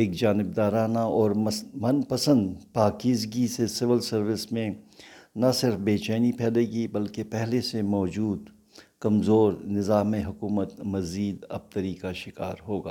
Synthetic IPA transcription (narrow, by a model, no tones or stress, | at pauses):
eːkd͡ʒaːnɪbd̪aːɾaːnaɔːɾmɐnpɐsə̃nd̪paːkiːzɡisesɪʋɪlsɐɾʋɪsmẽnɐsɪɾfbeːt͡ʃɛːnipʰɛːleːɡibɐlkepɛɦlesemɔːd͡ʒuːd̪ | kɐmzoːɾnɪzaːmeɦʊkuːmət̪mɐziːd̪ɐ̰b̚t̪əɾikaʃɪka̰ːɾɦoːɡa̰ː